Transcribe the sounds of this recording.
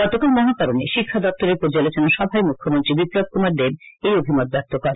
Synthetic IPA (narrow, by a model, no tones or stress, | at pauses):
ɡɔt̪okalmɔɦakaɾoneʃikʰːad̪ɔk̚t̪oɾeɾpoɾd͡ʑalot͡ɕonaʃɔbʱaemukʰːomont̪ɾibipɾob̚kumaɾd̪ebejobʱimot̪̚bɛp̚t̪okɔɾ